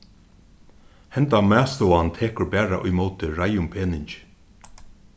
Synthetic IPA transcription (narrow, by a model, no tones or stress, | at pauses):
hɛnt̪amæːst̪oːant̪ʰeːkʊɾbæːɹa̰ʔʊ̰jmoːwt̪ɪɹajʊmpʰeːnɪɲt͡ʃɪ̥